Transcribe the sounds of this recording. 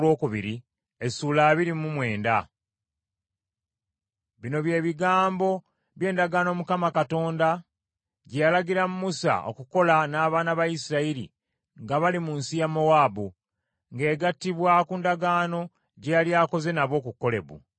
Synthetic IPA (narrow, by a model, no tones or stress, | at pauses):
lwo̞ːkuβiɾi | esuːlaːβiɾimumwe̞ːnda | βino̞βje̞ːβiɡaːmbo̞ | βje̞ːndaɡaːno̞ːmukamakato̞ːnda | ɟejalaɡiɾamumusa̰ʔo̞̰kuko̞lanaːβaːnaβajisiɾaiɾḭ | ŋɡaβalimuːnsijamo̞waːbu | ŋɡe̞ːɡatːiβwakuːndaɡaːno̞ | ɟejaljaːko̞ze̞naβo̞ːkuko̞le̞̰βṵ